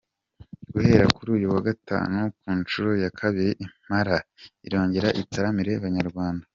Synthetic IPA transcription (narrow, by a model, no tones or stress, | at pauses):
ɡ̥uhe̞ɾakuɾuːjuwaɡata̰ːnukuːnt͡ʃuɾo̞jakʰaβiɾeʔim̥haɾaḭɾo̞ːɲɟeɾaʔitaɾamiɾe̞βaɲaɾɡwaːnda